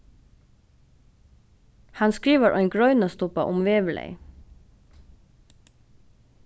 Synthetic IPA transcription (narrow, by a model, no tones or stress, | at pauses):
hɑnskɹiːʋəɹʔæɪŋɡɹœʏnɑst̪ʊpɑ̰ʔʊmʋeːʋlʔḛɪ